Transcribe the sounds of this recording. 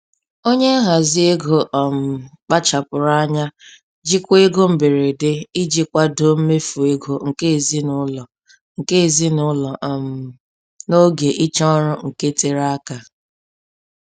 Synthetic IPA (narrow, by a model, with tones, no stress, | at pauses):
o˦ɲe˦a˦ɦa˨zɪ˦e˦ɡo˨ʔɔ˨m̩˨k͡pa˦t͡ʃa˨pʊ˨ɾa˦a˦ɲa˦ | d͡ʒi˦kʷe˦ɡo˦m̩˨be˨ɾe˨de˦i˦d͡ʒi˦kʷa˦do˨˦m̩˦me˦fu˨e˦ɡo˨ŋ̩˨ke˦e˨zi˦nʊ˦lɔ˨ | ŋ̩˨ke˦˨zi˦nʊ˦lɔ˨ʔm̩˨ | no˦ɡe˨ʔi˦t͡ʃɔ˦ɾʊ˦ŋ̩˨ke˦te˦ɾa˦a˦ka˨